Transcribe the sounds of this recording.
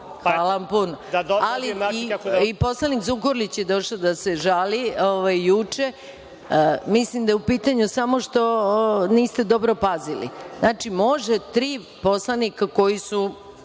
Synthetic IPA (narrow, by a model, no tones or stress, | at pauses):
xʋaːlaʋampunoali | iposlˠanikzukoɾlit͡ɕje̞d̪o̞ʃad̪ase̞ʒalioʋajːut͡ʂe̞ | mislimd̪ajeupiːt̪aɲusamo̞ʃt̪o̞niːst̪e̞d̪o̞bɾo̞pazilḭznaːt͡ʃimo̞ʒet̪ɾiː | po̞slˠanikako̞jisu